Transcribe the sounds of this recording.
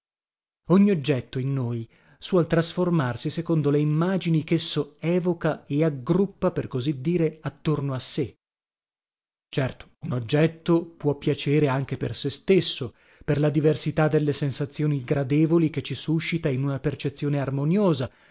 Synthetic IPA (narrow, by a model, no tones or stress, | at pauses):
oɲːiod͡ʒːɛt̪ːoinːoːj | swɔlt̪ɾasformarsisekond̪oleimːaːd͡ʒinikesːoɛːvokaeaɡɾupːaperkozid̪ːiːɾeat̪ːornoasːe | t͡ʃɛrt̪o̥unod͡ʒːɛt̪ːopwɔpːjat͡ʃeːɾeaŋk̟epersest̪esːo | perlad̪iversit̪ad̪ːelːesensat̪sːjoːniɡɾad̪eːvoliket͡ʃːisuʃːit̪ainunapert͡ʃet̪sːjoːnearmonjoːza